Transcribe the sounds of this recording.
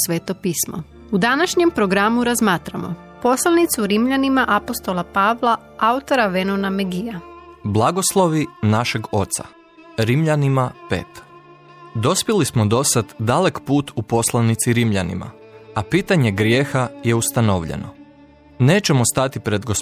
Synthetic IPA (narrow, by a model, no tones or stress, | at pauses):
sʋeːt̪opiːsmo̰ | ud̪anaʃɲe̞mpɾoɡɾamuɾazmaːt̪ɾamo̰ | po̞slˠanit̪suɾimʎanimaʔapost̪olapaːʋlˠa | aut̪o̞ɾaʋenonameɡijablˠaɡo̞slˠo̞ʋinaʃe̞ɡo̞t̪sa̰ | ɾimʎanimapḛːt̪ | d̪o̞spjilismod̪o̞sad̪d̪alekpuːt̪ʰupo̞slˠanit̪siɾimʎanḭma̰ | apiːt̪aɲe̞ɡɾje̞ːxaje̞ust̪anoʋʎḛno̞̰ | ne̞ːt͡ʃe̞most̪at̪ipɾe̞d̪ɡos